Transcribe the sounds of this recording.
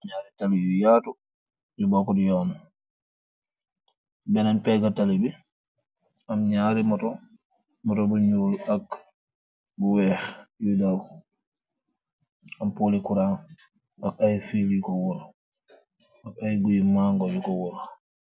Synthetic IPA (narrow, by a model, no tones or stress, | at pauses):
ɲaɾitalijujatu | d͡ʒubakɔdijɔn | bɛnanpɛɡatalibi | ʔamɲaɾimɔtɔ | mɔtɔbɔɲulak | bɔwɛxjudaw | ampolikuɾan | ʔakajfilikɔwɔɾ | akajɡujimaŋɡɔd͡ʒɔkɔwɔɾ